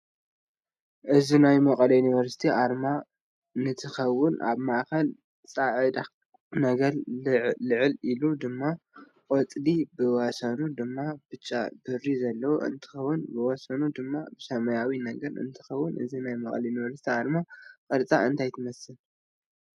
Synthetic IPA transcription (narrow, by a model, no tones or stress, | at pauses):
ʔɨzinajmɐkʼɐlɐjunivɐɾsi̥t̪ʰiʔaɾma | nɨt̪ʰɨxɐwːʊnʔa̰βmaʔkɐl | t͡sʼaʕɨd̪a | nɐɡɐɾlɨʕɨlilud̪ɨmːa | kʼɔt͡sʼlibɨwɔsɐnud̪ɨmːab̥ɨt͡ʃʼːa̰bɨrːizɐlːɐwuʔɨ̰nt̪ʰɨ̥xɐwːʊnbɨwɔsɐnud̪ɨmːabɨsɐmɐjawinɐɡɐɾɨ̰nt̪ʰɨ̥xɐwːʊnʔɨ̰zinajmɐkʼlɐjunivɐɾsi̥t̪ʰiaɾmakʼɐɾt͡sʼa̰ɨnt̪ʰajt̪ʰɨmɐsɨl